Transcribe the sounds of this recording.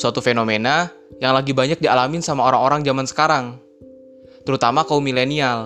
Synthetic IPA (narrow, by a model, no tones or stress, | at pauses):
suat̪ufenomena | jaŋlaɡibaɲak̚dialamɪnsamaoɾaŋoɾaŋd͡ʒamansə̥kaɾaŋ | t̪əɾut̪amakaumilenial